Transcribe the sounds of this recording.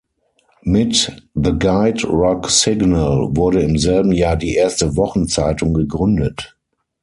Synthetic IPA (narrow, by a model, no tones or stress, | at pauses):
mɪtðəɡaɪtɹɔksɪɡnəlvʊɐɾəɪmzɛlbm̩jaːdiːʔeːɐstəvɔχn̩t͡saɪtʊŋɡəɡʁʏndət